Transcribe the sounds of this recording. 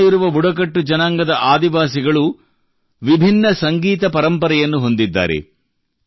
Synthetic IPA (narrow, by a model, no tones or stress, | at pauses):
jiɾuʋɐbuɽɐk̬ɐʈːud͡ʒɐnaːŋɡɐd̪ɐʔaːd̪iʋaːsiɡɐɭu | ʋibʱinːɐsɐŋɡiːt̪ɐpɐɾɐmpɐɾɐjɐnːuɦo̞nd̪id̪ːa̰ːɾḛ